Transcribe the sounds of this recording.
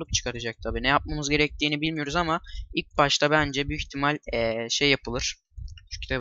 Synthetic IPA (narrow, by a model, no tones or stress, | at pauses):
lˠɯp̚t͡ʃʰɯ̥kʰaɾad͡ʒak̚t̪ʰabiːnɛjap̚mamɯzɟe̞ɾɛc̚t̪ʰiːnibilʲmijo̞ɾuzamailʲc̚baʃt̪ʰabænd͡ʒɛbiiçt̪ʰimalʲɛʃe̞jːapɯlˠɯɾ̥ | t͡ʃʰu̥cʰt̪ʰa